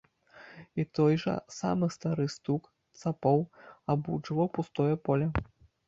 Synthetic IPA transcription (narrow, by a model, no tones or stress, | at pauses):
it̪ɔjʐɐ̰sa̰mɨst̪aɾɨst̪uk | t̪sapɔwabut͡ʂɨlɐwpust̪ɔjɐpɔlʲɐ